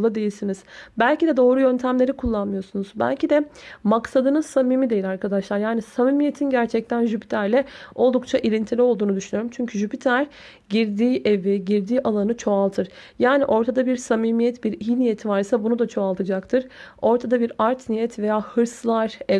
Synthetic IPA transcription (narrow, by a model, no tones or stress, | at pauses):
ad̪e̞jilʲsiniz̥bælʲcid̪ɛd̪o̞ːɾujø̞nt̪ʰæmlʲe̞ɾikʰulˠːanmɯjo̞sunuzbæ̰lʲcʰid̪ɛmaksad̪ɯnɯsamiːmid̪e̞jilʲaɾkad̪aʃlˠaɾjaːnisamimijet̪ʰinɟæɾt͡ʃʰɛc̚t̪ʰænʒypi̥t̪ʰæɾlʲɛo̞lˠd̪uk̚t͡ʃʰaʔilʲint̪ʰilʲio̞lˠd̪uːnud̪yʃynyjo̞ɾumt͡ʃʰyɲcʰyʒypit̪ʰæɾ | ɟiɾd̪iːʔeviɟiɾd̪iːʔalˠanɯt͡ʃʰo̞alˠt̪ʰɯɾ̥ | jaːniʔo̞ɾt̪ʰad̪abiɾsamiːmijɛt̪biɾijinijet̪ʰvaɾisabunud̪at͡ʃʰo̞alˠt̪ʰɯd͡ʒakt̪ʰɯɾ̥o̞ɾt̪ʰad̪abiɾaɾt̪nijɛt̪ʰve̞jaːhɯɾslˠaɾ̥ɛ